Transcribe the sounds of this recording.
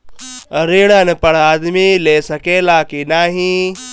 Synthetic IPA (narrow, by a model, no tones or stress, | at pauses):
ɾeːɽənpɐɽaːd̪mileːsɐkeːlaːkinaːɦĩ